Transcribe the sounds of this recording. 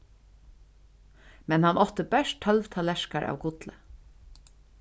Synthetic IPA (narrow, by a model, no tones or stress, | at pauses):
mɛnhanʔɔht̪əbɛʃt̪ʰhœlʋt̪ʰalɛʃkaɹʔa̰ːwkʊt̪lə̰